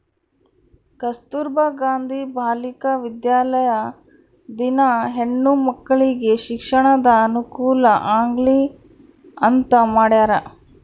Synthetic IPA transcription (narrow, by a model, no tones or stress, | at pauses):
kɐst̪uɾbɐɡaːnd̪ʱibʱaːlikɐʋid̪jaːlɐjɐ | d̪inɐɦeɳːumɐkːɐɭiɡe̞ʃikʂɐɳɐd̪ɐːnukuːlɐʔaːŋɡɭi | ɐnt̪ɐmaːɽjaːɾɐ